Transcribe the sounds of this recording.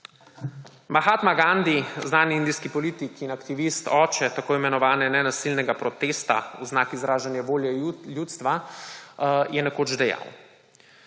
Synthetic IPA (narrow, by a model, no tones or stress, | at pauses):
maxaːt̪maɡand̪iznaːniind̪iskipɔliːt̪ikinakt̪iʋist̪ɔːt͡ʃɛt̪akoːimɛnɔʋaːnɛnɛnasilnɛɡapɾɔt̪eːst̪a̰uznaːkizɾaːʒanjaʋoːljɛljuːt̪st̪ʋa | jɛnɛkoːd͡ʒd̪ɛja̰w